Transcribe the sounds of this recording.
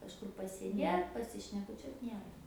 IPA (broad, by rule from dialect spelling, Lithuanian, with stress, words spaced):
kɐʃˈkʊr pɐsʲeːˈdʲeːt pɐsʲɪʃʲnʲɛkʊˈt͡ʃʲuɔt ˈnʲiɛrɐ